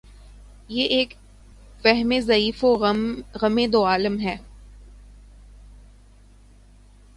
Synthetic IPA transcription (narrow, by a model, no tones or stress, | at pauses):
jeʔeːk | fɛɦmezɐiːfoɣɐmẽːd̪oaːləmɦɛː